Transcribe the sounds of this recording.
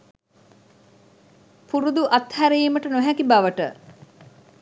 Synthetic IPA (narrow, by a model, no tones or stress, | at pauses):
puɾud̪uʔat̪hæɾejːməʈənoɦækibaʋəʈə̰